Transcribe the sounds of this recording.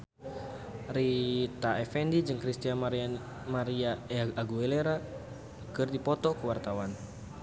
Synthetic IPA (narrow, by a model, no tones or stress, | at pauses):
rit̪aɛfɛndid͡ʒɨŋkɾist̪ia | maɾiaaɡuɛleɾa | kɨrdipɔt̪ɔkuwart̪awan